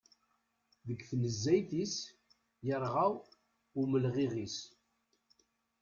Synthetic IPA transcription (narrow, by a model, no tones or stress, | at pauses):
ðəɡθnəzːæjθis | jəɾˤʁaw | ʊməlʁiʁis